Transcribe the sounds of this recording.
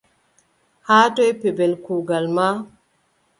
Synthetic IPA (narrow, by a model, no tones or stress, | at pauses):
haːtojpebelkuːɡalma